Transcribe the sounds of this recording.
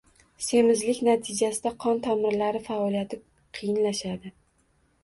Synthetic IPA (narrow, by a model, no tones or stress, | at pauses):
se̞mɪzlɪkʲnat̪ʰɪd͡ʒasɪd̪aqʰɒnt̪ʰamɪɾlaɾɪfaɒlijat̪ʰɪ | qʰɨjɪnlaʃad̪ɪ